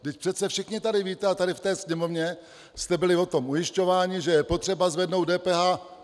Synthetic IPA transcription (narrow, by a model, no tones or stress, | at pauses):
dɪcpr̥ɛt̪sɛfʃɪxɲɪt̪adɪviːt̪ɛat̪adɪft̪ɛːsɲɛmo̞vɲɛ | st̪ɛbɪlɪvo̞t̪o̞mʔujɪʃco̞vaːɲɪʒɛjɛpo̞t̪r̥ɛbazvɛdno̞wt̪dɛːpɛːɦaː